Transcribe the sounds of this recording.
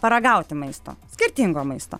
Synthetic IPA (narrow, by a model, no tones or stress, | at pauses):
pɐɾɐɡɐʊt̪ʲɪmɐɪst̪o̰ːsʲkʲɪɾʲt̪ʲiŋɡoːmɐɪst̪o̰ː